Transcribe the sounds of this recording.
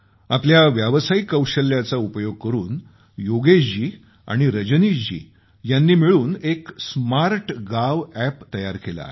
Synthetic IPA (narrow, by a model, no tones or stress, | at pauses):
apljaʋjaʋəsaikːəwɕəljat͡saupəjoɡ̚kəɾuːn | joɡed͡ʑiː | a̰ɽ̃iɾəd͡ʑnid͡ʑḭː | janːiːmiɭuːneksmaɾʈɡaʋæpt̪əjaɾkela̰